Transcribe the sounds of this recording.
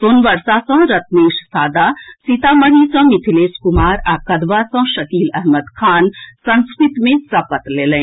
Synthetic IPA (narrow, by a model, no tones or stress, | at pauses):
d̪oːnʋəɾsasə̃ɦɾət̪neːʃsad̪asit̪aməɽisə̃mit̪ʰileːskumaːɾakəd̪ʋasə̃ʃəkiːlɛɦməd̪kʰansə̃nskɾit̪mẽsɐpət̪lelɛ̃